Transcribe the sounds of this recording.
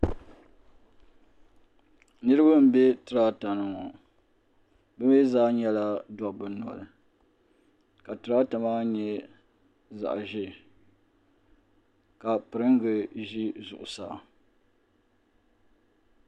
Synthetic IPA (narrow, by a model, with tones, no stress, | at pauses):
nɨ˦ɾɨ˦ba˦m̩˨bɛ˦tɨ˨ɾa˦ta˨nɨ˦ŋɔ˨ | bɨ˦me˦zaː˦ɲɛ˦la˦dɔ˨bɨ˦nɔ̰˨lɨ˨ | ka˨tɨ˨ɾa˦ta˨maː˦ɲɛ˦ | za̰˨ʔʒɪ˦ | ka˨pɨ˨ɾɨ˦ŋɡɨ˨ʒi˦zʊ̰˨ʔʊ˨sa̰ː˦˨